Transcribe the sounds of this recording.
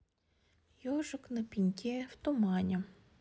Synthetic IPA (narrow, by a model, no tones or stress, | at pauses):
jɔʒɐknɐpʲinʲkʲʰɛwt̪ɔmɑnʲɐ